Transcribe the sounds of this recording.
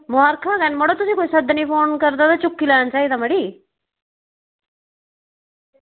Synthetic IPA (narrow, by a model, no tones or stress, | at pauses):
mʊaːɾkʰakanmoɽot̪ʊsĩːkoːisɐd̪ʱːnəipʰoːnkɐɾd̪at̪at͡ʃʊkːilaːnt͡ʃaːid̪amɐɽiː